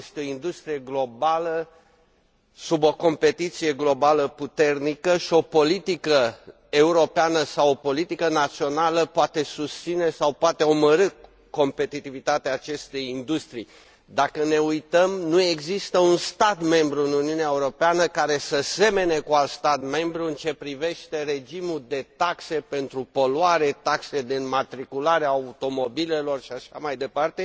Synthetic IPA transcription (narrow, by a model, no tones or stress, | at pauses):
st̪eoind̪ust̪ɾije̞ɡlo̞balə | subo̞ko̞mpe̞t̪it̪sije̞ɡlo̞baləput̪e̞rnikəʃio̞po̞lit̪ikə | euɾo̞peanəsawopo̞lit̪ikənat̪sio̞naləpoat̪e̞sust̪sine̞sawpoat̪e̞o̞məɾɨ | ko̞mpe̞t̪it̪ivit̪at̪eaːt͡ʃe̞st̪e̞jind̪ust̪ɾi | d̪akəne̞ujt̪əmnue̞ɡzist̪əunst̪at̪me̞mbɾuɨnuniuneaeuɾo̞peanəkaɾe̞səse̞me̞ne̞kualt̪st̪at̪me̞mbɾuɨnt͡ʃe̞pɾive̞ʃt̪e̞ɾe̞d͡ʒimud̪e̞t̪akse̞pe̞nt̪ɾupo̞luaɾe̞t̪aksed̪inmat̪ɾikulaɾeaːut̪o̞mo̞bile̞lo̞rʃiaʃa̰majd̪e̞part̪e̞